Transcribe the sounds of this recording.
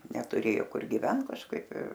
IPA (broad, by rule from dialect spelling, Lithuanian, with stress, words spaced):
nʲɛtʊˈrʲeːjoː ˈkʊr ɡʲɪˈʋʲɛnt kɐʃˈkɐɪp ɪr